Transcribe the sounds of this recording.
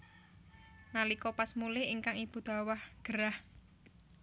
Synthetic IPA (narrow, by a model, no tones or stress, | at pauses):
nalikɔpasmulɪhiŋkaŋib̥ṳd̪̥a̤wahɡ̥əɾah